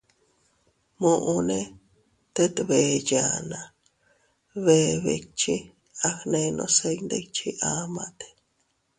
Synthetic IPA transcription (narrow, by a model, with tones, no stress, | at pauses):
mõʔune˦ | t̪e˦t̪βe˨janã˨ | βeβḛ˧t͡ʃi˦ | a˧hnẽ˧nõ̰˧se˧jnd̪e˧t͡ʃʰi˦ʔamã̰t̪e̥